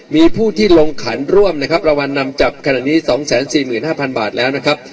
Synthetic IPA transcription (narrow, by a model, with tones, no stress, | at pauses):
miː˧pʰuː˥˩t̪ʰiː˥˩lo˧ŋkʰa˩˦nɾu˥˩əmna˦˥kʰa˦˥p̚ɾa˧wa˧nːa˧mt͡ɕa˨˩p̚kʰa˧naː˨˩ʔniː˦˥sɔː˩˦ŋsɛː˩˦nsiː˨˩mɯː˨˩nhaː˥˩pʰa˧nbaː˨˩t̪̚lɛː˦˥wna˦˥kʰɾa˦˥p̚